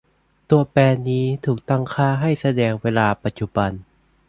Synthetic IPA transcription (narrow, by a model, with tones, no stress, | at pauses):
t̪u˧ɐpɛː˧niː˦˥t̪ʰuː˨˩k̚t̪a˥˩ŋkʰaː˥˩ɦa˥˩jsa˧dɛː˧ŋweː˧laː˧pa˧˦t̪̚t͡ɕu˧˩ba˧n